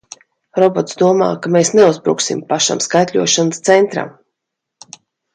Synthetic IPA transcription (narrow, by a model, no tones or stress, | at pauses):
ɾɔbɔt̪sd̪uɔma̰ːkameːsneuzbɾṵːksimpaʃa̰mskajt̪ʲlʲuɔʃanst̪sɛnt̪ɾa̰m